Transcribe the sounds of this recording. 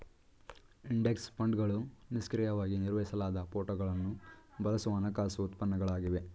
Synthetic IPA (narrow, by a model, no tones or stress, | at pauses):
iɳɖe̞kspɐɳɖɡɐɭuniskɾijɐʋaːɡiniɾʋɐjisɐlaːd̪ɐpoːʈoɡɐɭɐnːubɐlɐsuʋɐɐːnɐkaːsuut̪pɐnːɐɡɐɭaːɡiʋe̞